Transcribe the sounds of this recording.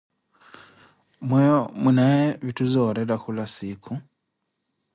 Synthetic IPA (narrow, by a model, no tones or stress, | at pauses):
mwejomunajeβituzoɾeɾaxulasikʰu